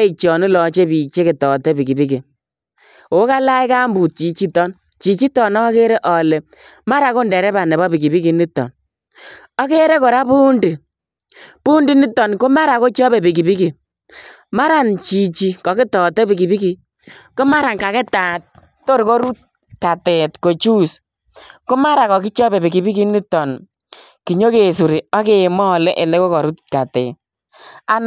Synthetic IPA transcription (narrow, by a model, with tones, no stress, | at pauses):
i˨k̚t͡ʃɔ˨ni˦lɔ˨t͡ʃe˦pi˨t͡ʃe˦ki˨tɔ˨tɛ˦pi˨ki˨pi˦ki˨ | o˨˦ka˦la˦jka˦mbu˨t̚t͡ʃi˨t͡ʃi˦tɔ˦n | t͡ʃi˨t͡ʃi˦tɔ˨nɔ˦ke˦ɾe˦ʔɔ˨le˨ | ma˦ɾa˨˦ko˦ndɛ˨ɾɛ˦ba˨nɛ˨bɔ˦pi˨ki˨bi˦ki˨ni˦tːɔ̰˨n | ɔ˦ke˦ɾe˦kɔ˨ɾa˦pu˦ndi˨ | pu˦ndi˦ni˦tːɔ˨nko˦ma˦ɾa˨ko˦t͡ʃɔ˦be˨pi˨k̬i˨bi˦ki˨ | ma˦ɾa˨nt͡ʃi˨t͡ʃi˨kɔ˨kɪ˦tɔ˨tɛ˦bi˨ki˨bi˦ki˨ | ko˦ma˦ɾa˨nka˨kɛ˦taː˨t̚ | to˦ɾkɔ˦ɾu˦t̚ | ka˨tɛ˨tko˨t͡ʃu˦s | ko˦ma˦ɾa˨kɔ˨ki˦t͡ʃɔ˦be˨bi˨ki˨bi˦ki˦ni˦tːɔ˨n | ki˨ɲo˦ke˨su˨ɾi˨ɔ˦ke˨mɔ˦˨lɛ˦ʔe˨le˦ko˦kɔ˨ɾu˦t̚ka˨tɛ̰˨ | a˦n